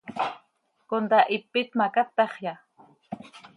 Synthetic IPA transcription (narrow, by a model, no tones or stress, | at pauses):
kond̪aʔɪpːɪt̪makat̪ːɑχja